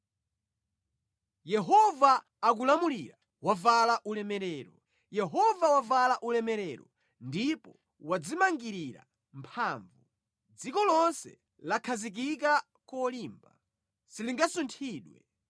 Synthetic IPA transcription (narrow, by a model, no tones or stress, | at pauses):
jɛɦɔvaː | k̬ulamuliɾa | wavalaʔulɛmɛɾɛɾɔ | jɛɦɔvawavalaʔulɛmɛɾɛɾɔ̰ | ndipɔ | wad͡zimaŋɡiɾiɾa̰ | mpʰaːɱvu | d͡zikɔlɔnsɛ̰ | lakʰazik̬ik̬a | kɔliːmba | siliŋɡasuntʰiːɗwɛ̰